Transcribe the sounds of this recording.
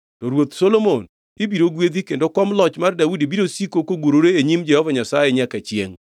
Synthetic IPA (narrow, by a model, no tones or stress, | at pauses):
tɔɾwot̪solomon | ɪbiɾoɡwed̪ikendokɔmlɔt͡ʃmardawudibiɾosikokoɡwoɾoɾeeɲimd͡ʒɛhɔvaɲasajɛɲakat͡ʃjḛŋ